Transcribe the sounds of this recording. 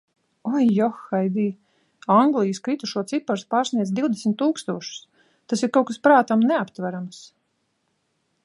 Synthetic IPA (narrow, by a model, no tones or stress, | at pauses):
ɔjːɔxːajd̪iː | aŋɡlˠijskɾit̪uʃuɔt̪sipaɾspɑːɾsniɛzd̪ʲiwd̪esmʲit̪ːuːkst̪uɔʃu̥s | t̪asiɾkawkaspɾaːt̪amnɛapt̪væɾams